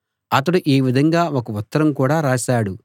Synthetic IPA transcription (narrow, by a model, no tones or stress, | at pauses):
ɐt̪ɐɽuʔeːʋid̪ʱɐŋɡaːʋokɐut̪ːɐɾɐmkuːɽaːɾaːʃaːɽu